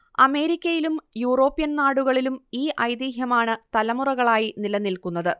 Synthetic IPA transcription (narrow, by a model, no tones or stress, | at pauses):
ɐme̞ːɾikʲːɐjilumjuːro̞ːpːijɐnnaːɽuɣɐɭilumiːʔɐjd̪iːɦjɐmaːɳɨt̪ɐlɐmurɐɣɐɭaːjinilɐnːilkunːɐðɨ